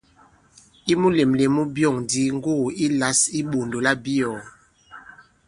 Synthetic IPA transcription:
i˦mu˦le˨mle˨mu˦bjɔ˦˨ŋdi˦ŋ˦ɡo˦˨i˦la˨˦si˦ɓo˨ndo˨la˦bi˦ɔ˨

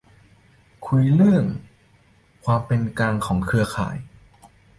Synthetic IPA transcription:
kʰu˧jlɯ˥˩əŋ | kʰwaː˧mpe˧nkaː˧ŋkʰɔː˩˦ŋkʰɯ˧ɐkʰa̰ː˩˦j

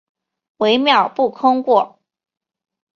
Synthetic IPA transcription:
we˧˥ɪmjɑ˥˩ʊpu˥˩kʰʊ˥ŋkwɔ˥˨˩

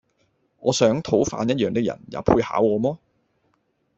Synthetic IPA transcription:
ŋɔː˨˧sœː˨˥ŋt̪ʰo˨˥wfaː˧njɐ˥t̚jœː˨ŋt̪ɪ˥kjɐ̰˨˩njɐ̰˨˧wpʰuː˧jha̰ː˨˥wɔː˨˧mɔː˥

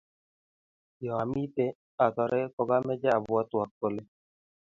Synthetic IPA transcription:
jɔ˨a˨mi˦te˦ | a˨t̪ɔ˨ɾʔɛ˦kɔ˦ɡa˦mɛ˦d͡ʒa˦a˨bʊ˨a˦t̪wa˨k̚ko˦˨le˦

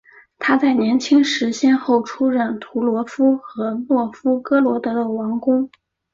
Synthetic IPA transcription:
t̪ʰa˥t͡sa˥˩ɪnjɛ˧˥nt͡ɕʰi˥ŋʂɻ̩˧˥ɕjɛ˥nxo˥˩ʊʈ͡ʂʰu˥ɻə˥˩nt̪ʰu˧˥lwɔ˧˥fu˥xɤ˧˥mwɔ˥˩fu˥kɤ˥lwɔ˧˥t̪ɤ˧˥d̪ə˧wɑ˧˥ŋkʊ˥ŋ

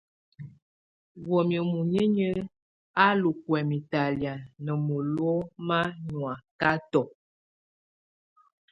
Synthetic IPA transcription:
wɔ˨mjə˨mu˨ɲə˦ɲə˦ | a˦lu˨kwɛ˨mi˨ta˨lja˨nə˨mo˨lwɔ˦ma˦ɲwa˨ka˦tɔ˨

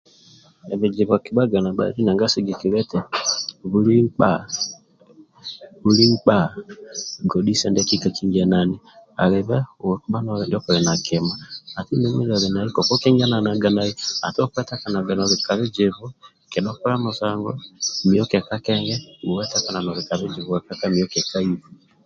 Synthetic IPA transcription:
ɛ˨βe˨d͡ʒi˨βɔ˨ki˨βa˦ɡa˨na˨ɓa̰˨ɾi˦na˨ŋɡa˦si˦ɡe˨ki˨ɾɛ˦tɛ˨βuɾi˦mk͡pa̰˦ | βu˦ɾi˦mk͡pa˦ | ɡɔ˨ɗi˦sɛ˦ndɛ˦ki˦ka˨ki˦ŋɡɛ˨nani˨a̰˨ɾe˨βɛ˦˨kɓa˦nɔ˦ɾɛ˨ndi˦ɔ˦kɔ˨ɾɛ˨na˨ke˨maa˨ti˦ne˦mi˦ɾa˨βe˨na˨ɾi˦kɔ˨kɔ˦ki˦ŋɡa˦na˨na˨ɡa˨na˦i˦a˨tɔ˦kwɛ˦ta˦ka˨na˨ɡa˨nɔ˨βe˨ka˨βe˦d͡ʒeβu˦ | ke˨ɗɔ˦ku˦ɾa˦mo˨saŋɡɔ˦mi˨ɔ˦kɛ˨ka˦kɛŋɡɛu˨wɛ˦ta˦ka˨na˨nɔ˨βe˨ka˨βe˦d͡ʒeβu˨ɛ˨ka˦ka˦mi˨ɔkɛ˨ka˦i˦βu

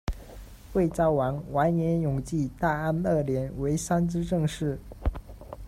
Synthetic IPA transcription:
xwe˥˩ɪt͡sɑ˥˩ʊwa˧˥ŋwa˧˥nnjɛ˧˥njʊ˨˩ŋt͡ɕi˥˧t̪a˥˧a˥nə˥˩ljɛ˧˥nwe˧˥ɪsa˥nt͡sɻ̩˥ʈ͡ʂɤ˥˧ŋʂɻ̩˥˩

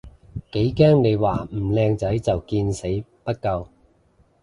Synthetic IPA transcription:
ke˨˥jkɛː˥ŋne˨˧jwaː˨m̩˨˩lɛː˧ŋt͡sɐ˨˥jt͡sɐ˨wkiː˧nse˨˥jpɐ˥t̚kɐ˧w

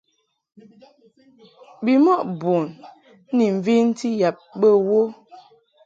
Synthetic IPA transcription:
bi˨mɔ˦ʔbo˨n˦ | ni˨ɱ̩˨vi˦n˦ti˦ja˨p̚bə˦wo˦

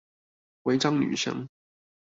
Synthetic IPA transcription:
we˧˥ɪʈ͡ʂɑ˥ŋny̰˨˩ʂɤ̰˥ŋ

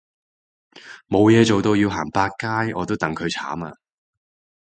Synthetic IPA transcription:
mo˨˧wjɛː˨˧t͡so˨wt̪o˧wjiː˧wɦaː˨˩ŋpaː˧k̚kːaː˥jʔɔː˨˧t̪̬o˥wt̪ɐ˨˧ŋkʰɵ˨˧ɥt͡sʰa̰ː˨˥ma̰ː˧

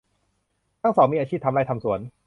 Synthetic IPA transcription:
t̪ʰa˥˩ŋsɔː˩˦mi˧ʔaː˧t͡ɕʰiː˥˩p̚t̪ʰmɾaː˥˩jt̪ʰa˧msu˨˩˦n

